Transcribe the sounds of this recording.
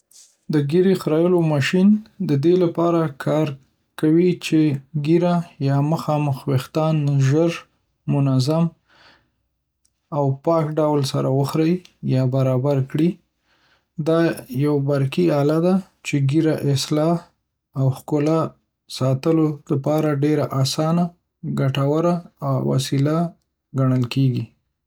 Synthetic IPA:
d̪əɡiɾexɾɑjəlomɑʃind̪əd̪elapɑɾakʰɑɾ | kawit͡ʃeɡiɾajɑməxɑməxwext̪ɑnʒəɾ | mʊnazam | awpɑkɖawlsaɾawəxɾəjjɑbaɾɑbaɾkɽi | d̪ɑjawbaɾkiɑlad̪a | t͡ʃeɡiɾaʔɪslɑ | awxkʊla | sɑt̪əloləpɑɾaɖeɾaʔasɑna | ɡaʈawaɾaːwwa̰sila | ɡaɳ̃əlkeɡi

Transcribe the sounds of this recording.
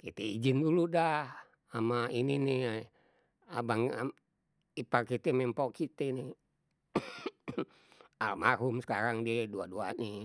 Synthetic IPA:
kit̪eid͡ʒinduludah | amainine | abaŋ̰ | iparkit̪emɛmpokit̪ene | a̰lmaɦumsə̥kaɾaŋdieduadua̰ni

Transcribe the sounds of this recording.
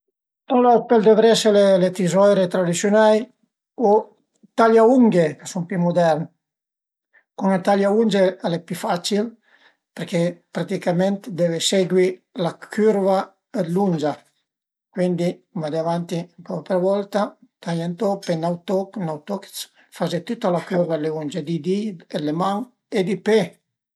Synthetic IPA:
t̪ɔlapeld̪evɾɛselelet̪izɔjɾet̪ɾad̪isjunaj | o | t̪aʎauŋɡekasumpimud̪ɛɾn | kunat̪aʎaund͡ʒealɛpyfat͡ʃil | peɾkepɾat̪ikamɛnt̪d̪eveseɡwilakʰyɾva | ed̪lund͡ʒa | kwind̪ikumad̪eavant̪iaŋkɔɾapeɾvɔlt̪at̪aʎant̪ɔpenawt̪ɔknawt̪ɔks | fazet̪ut̪ːalakuɾvaleund͡ʒed̪id̪ielemaŋ | ed̪ipe

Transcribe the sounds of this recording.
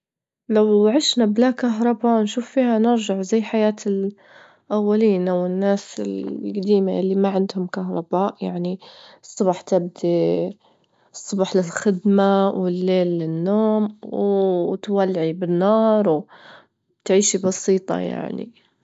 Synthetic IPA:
lawʕɪʃnablakaɦɾˤɑbanʃuːfːiːhanɪɾʒaʕzajːħajaːt̪ɪl | ʔawːaliːnawɪnːaːsɪ̰lɡad̪iːma̰ʔɪlːimaʕɪnd̪hʊmkaɦɾˤɑbaːʔja̰ʕniɨsˤːʊbɑħt̪ɪb̚d̪i | sˤːʊbɑħlɪlxɪd̪mawɪlːeːlːɪnːoːmwt̪walːʕibɪnːɑːɾˤw | t̪ʕiːʃibɑsiːt̪ˤɑ̰ja̰ʕnḭ

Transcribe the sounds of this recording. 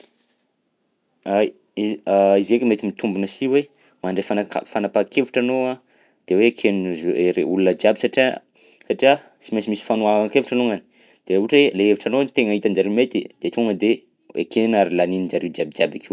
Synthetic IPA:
aj | iaizekmet̪imit̪umbunəsiwe | maɳɖ͡ʐefanaka̰fanapakʰeviʈ͡ʂanoa | d̪̥ewekʰeneɾeulunəd͡ʒjabisaʈ͡ʂḭ | saʈ͡ʂia | simesimisi̥fanuavaŋkevuʈ͡ʂanoŋani̥ | d̪̥euʈ͡ʂweleeviʈ͡ʂanonit̪eŋaɦit̪and͡ʒaɾemet̪id̪̥et̪uŋəd̪e | ḛkenaɾilaninid͡ʒaɾed͡ʒabid͡ʒabakew

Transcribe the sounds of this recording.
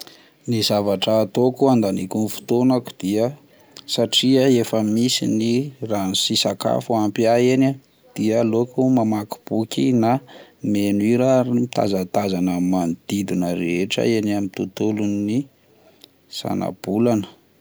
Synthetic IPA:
nizavaʈ͡ʂəːt̪okuand̪anikunifu̥t̪onaku̥d̪̥iə | saʈ͡ʂiəefəmisiniranisisaka̰fuampiaena | d̪̥iəlokumamaku̥b̥ukʲinamenuiɾamit̪a̰zat̪azanəmand̪̥id̪inəɾeʈ͡ʂə̰enamit̪ut̪ulunːi | sa̰na̰b̥ulanə̥

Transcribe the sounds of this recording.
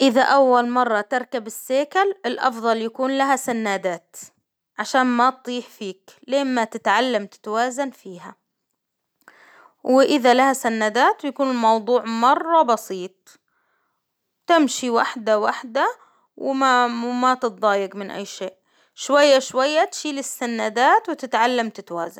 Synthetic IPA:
ʔɪðaʔawːalmɑrˤːɑt̪ɪɾˤkabɪsːeːkalɪlʔɑ̰fðˤɑljakuːnlaɦasanːaːd̪aːt̪ | ʕaʃaːnmat̪̚t̪ˤiːħfiːkleːmmat̪ɪt̪ʕalːamt̪ɪ̥t̪awaːzanfiːɦa | wɪʔɪðalahasanːaːd̪aːt̪wjakuːnɪlmɑwðˤuːʕmɑrˤːɑbɑsiːt̪̚ˤ | wt̪ɪmʃiwaħd̪awaħd̪a | wɪmamat̪ɨt̪̚ðˤɑːjɪɡmɪnʔa̰jːʃeːʔ | ʃwajːaʃwajːat̪ʃiːlɪsːanːaːd̪aːt̪wɪt̪ɪt̪ʕalːamt̪ɪt̪awa̰ːza̰nn

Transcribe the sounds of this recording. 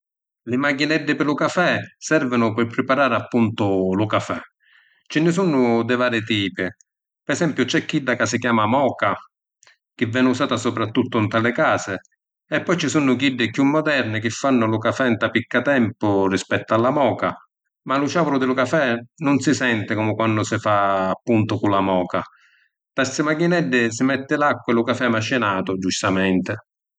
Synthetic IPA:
lɪmaɡinɛd̪ːɪpɪlʊkafɛsɛrvɪnʊpɪrpɾɪpaɾaːɾɪapːunt̪ʊlʊkafɛ | t͡ʃɪnːɪs̬unːʊd̪ɪvaːɾɪt̪iːpɪ | pɛsɛmpjʊt͡ʃɛkːiɖ̪ːakasːɪkjaːmamɔːka | k̟ɪvːɛːnusaːt̪asɔpɾat̪ːut̪ːʊnt̪alɪkaːsɪ | ɛpːɔjt͡ʃisunːʊkiɖːɪkjumːɔd̪ɛrnɪk̟ɪfːanːʊlʊkafɛnt̪apikːat̪ɛmpʊrispɛt̪ːʊalːamɔːka̰ | malʊʃaːvʊɾʊd̪ɪlʊkafɛnʊnsɪsɛnt̪ɪkɔmɪkwanːʊsɪfaːpːunt̪ʊkulːamɔːka | t̪at̪sɪmakinɛɖːɪs̬ɪmɛt̪ːɪlakːɪlʊkafɛmaʃːɪnaːt̪ʊd͡ʒust̪amɛnt̪ɪ

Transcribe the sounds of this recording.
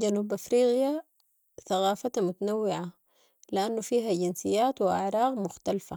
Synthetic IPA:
d͡ʒanuːbʔafɾiːɣja | θaɣaːfat̪mʊt̪anawːɪʕa | lɪʔanːufiːɦaɟɪnsɪjːaːt̪wɪʔaʕɾˤɑːɣmʊxt̪alfa

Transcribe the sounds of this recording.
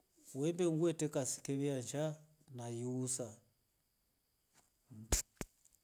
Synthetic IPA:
wɛmbɛŋɡwɛtɛkasi̥kɛβiaɲd͡ʒa | najiusa

